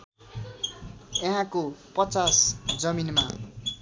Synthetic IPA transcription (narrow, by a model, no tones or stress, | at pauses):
jʌ̃ɦãkopʌt͡sasd͡zʌminma